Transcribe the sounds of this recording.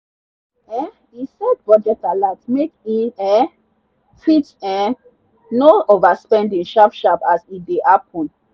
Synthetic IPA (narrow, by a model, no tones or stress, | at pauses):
ɛ | isɛdbɔdɛtalatmekĩɛ | fitɛ̃ | noovaspɛ̃ndĩŋʃafʃapasit̚deʔap̚ʰɔ̃n